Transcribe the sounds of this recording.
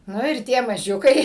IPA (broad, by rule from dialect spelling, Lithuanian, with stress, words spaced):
ˈnʊ ɪr ˈtʲiɛ mɐˈʒʲʊkɐɪ